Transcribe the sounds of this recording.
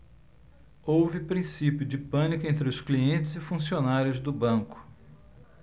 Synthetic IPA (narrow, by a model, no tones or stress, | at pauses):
owvɪpɾĩsipjʊd͡ʒɪpɐ̃nikʊẽnt̪ɾɪʊskliẽnt͡ʃɪzɪfũsionaɾjʊzd̪ʊbɐ̃kʊ̥